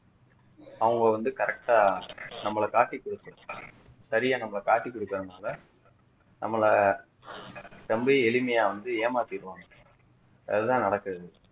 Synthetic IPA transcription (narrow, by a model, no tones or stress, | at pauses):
ɐʋɯŋɡɐʋɐnd̪ɯkɐɾɛk̚ʈaːnɐmːɐɭɐkaːʈːikːʊɽɯt̪ːʊ̃ | sɐɾɪjaːnɐmːɐɭɐkaːʈːikːʊɽɯkːɯɾɐnaːlɐ | nɐmːɐɭɐ | t̪ɐmbɐɛlɪmɐjaːʋɐnd̪ɯeːmaːt̪ɪɪɾɯʋaːŋɡɐ | ɐ̰ðɯt̪ãːnɐɽɐkːɯɾɐðɯ